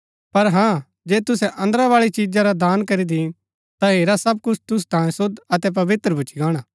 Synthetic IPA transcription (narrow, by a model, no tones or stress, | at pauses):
pɐɾɦãː | d͡ʒeːt̪ʊsɛʔɐ̃nd̪əɾaʋaːɭit͡ʃid͡ʒaɾad̪aːnkɐɾid̪i | t̪aɦeːɾasɐb̚kʊt͡ʃʰt̪ʊs̬u̥t̪ãːjẽsʊd̪ɐt̪ɛp̬ɐʋɪt̪ɾəbʱʊt͡ʃiɡaːɽ̃aː